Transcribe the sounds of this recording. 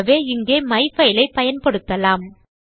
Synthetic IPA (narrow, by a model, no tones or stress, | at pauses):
ʋeːɪŋɡeːmɐɪfɐɪlɐɪpɐjɐnpɐɽɯt̪ːɐlaːm